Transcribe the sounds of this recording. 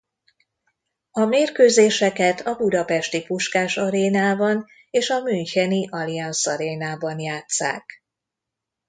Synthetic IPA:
ɒmeːrkøːzeːʃɛkɛt̪ʰɒbud̪ɒpɛʃt̪ipuʃkaːʃɒɾeːnaːbɒn | eːʃɒmynchɛniʔɒliɒnsɒɾeːnaːbɒnjaːt̪sa̰ːk

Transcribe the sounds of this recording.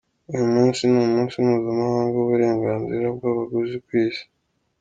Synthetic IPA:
ujomuːnsinumuːnsimuzimahaːŋɡoβuɾe̞ːŋɡaːnziɾab̚ɡaːβaɡuzikwiːsi̥

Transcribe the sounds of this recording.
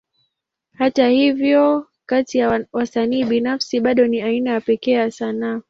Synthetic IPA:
hatahivjɔ | katijawasaniːɓinafsiɓaɗɔniainajapɛkɛjasanaː

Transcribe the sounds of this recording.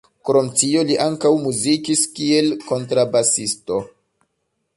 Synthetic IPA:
kɾo̞mtio̞liʔaŋkawmuzikiskie̞lko̞ntɾabasisto̞

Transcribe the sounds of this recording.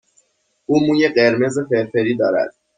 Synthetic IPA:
ʔuːmuːjeɢeɾme̞zefeɾfeɾiːd̪ɒːɾæ̰d̪̥

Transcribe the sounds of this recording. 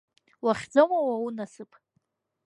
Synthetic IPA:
waχʲd͡zamawaunasɨpʰʼ

